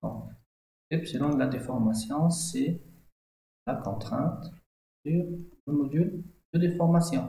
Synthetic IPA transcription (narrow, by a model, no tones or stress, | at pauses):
ɔ̰̃ | ɛpsed̪ɑ̃d̪lad̪efɔʁmasjɔ̃sɛ | lakɔ̃t̪χɛ̃t̪ | syʁləmɔd̪yld̪̥əd̪efɔʁmasjɔ̃